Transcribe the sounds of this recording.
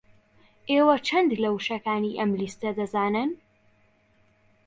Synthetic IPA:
ʔeːwɐt͡ʃʰɐnd̪lɐwʃɐkaːniʔɐmlist̪ɐd̪ɐzaːnɨn

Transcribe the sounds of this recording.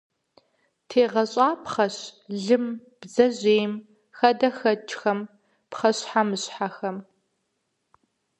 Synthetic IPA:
tʰeːʁɐɕʼaːpχɐɕɮɨmb̥zɐʑeːm | xɐdɐxɐt͡ʃʰʼxɐm | pχɐɕħamɨɕħaxɐm

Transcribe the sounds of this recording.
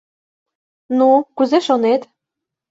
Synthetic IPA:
nukuzeʃonet̪

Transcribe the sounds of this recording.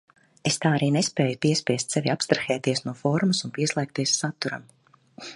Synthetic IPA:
est̪aːaɾiːnespɛːjupiɛspʲiɛst̪ʲsevʲiapst̪ɾaxɛːt̪iɛsnuɔfɔɾmusunpiɛslˠɛːk̚t̪iɛsːat̪ːuɾa̰m

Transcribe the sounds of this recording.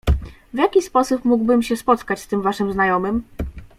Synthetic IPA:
vjakʲispɔsupmuɡbɘmɕɛspɔt̪kat͡ɕst̪ɘmvaʂɘmznajɔmɘm

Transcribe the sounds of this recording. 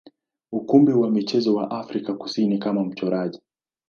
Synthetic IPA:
ukumbiwamit͡ʃɛzɔwa̰ʔafɾikaku̥sinikamam̩t͡ʃɔɾaʄi

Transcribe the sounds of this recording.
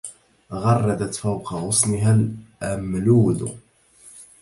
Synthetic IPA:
ɣɑrˤːɑd̪at̪fawqɑɣʊsˤnɪɦalʔamluːd̪

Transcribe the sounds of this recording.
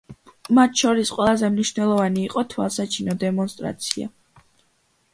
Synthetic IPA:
mat̪ʰʃɔɾisqʼwɛlˠazɛmniʃvnɛlˠɔvaniːqʼɔt̪ʰwa̰lˠsat͡ʃʰinɔd̪ɛmɔnst̪ʼɾa̰t̪sʰia̰

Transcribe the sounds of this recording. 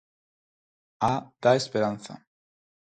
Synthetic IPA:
ad̪̥aespeɾan̟θa̰

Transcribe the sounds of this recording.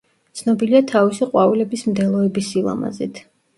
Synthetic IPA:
t̪sʰnɔbiliat̪ʰavisiqʼwavilɛbismd̪ɛlˠɔɛbisilˠa̰ma̰zɛ̰t̪ʰ

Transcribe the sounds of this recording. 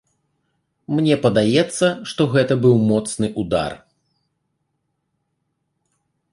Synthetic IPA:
mnʲɛpɐd̪ajɛt̪sːɐʂt̪ɔɣɛt̪ɐbɨwmɔt̪snɨʔud̪a̰r

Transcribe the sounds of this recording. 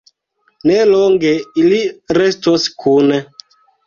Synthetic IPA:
nɛlɔŋɡeiliɾɛstoskʰunɛ

